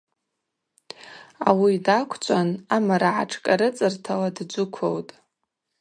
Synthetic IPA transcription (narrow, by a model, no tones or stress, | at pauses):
a̰widakʷʰt͡ɕʷʼanamaɾaʕaʈ͡ʂʰkʼaɾɨt͡sʼɨrtʰaladd͡ʒʷʊkʷʰowtʼ